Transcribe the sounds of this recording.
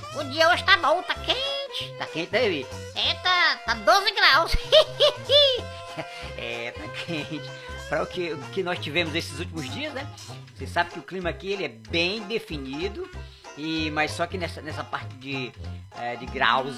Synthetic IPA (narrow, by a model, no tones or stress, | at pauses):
ʊd͡ʒiɐwɐʃt̪abõw̃t̪akẽt͡ʃɪ̥t̪akẽt͡ʃɪt̪ai | ɛt̪at̪ad̪ozɪɡɾaws | ɛ̰t̪akʰẽt͡ʃɪ̥ | pɾɐʊkɪkɪnɔst͡ʃivẽmʊznesɪzut͡ʃimʊzd͡ʒiɐznɛsesabɪkɪʊklĩmɐːkielɪɛbẽj̃d̪efinid̪ʊ | ɪmajssɔkɪnɛsɐnɛsɐpaɾt͡ʃɪd͡ʒɪɛd͡ʒɪɡɾa̰wz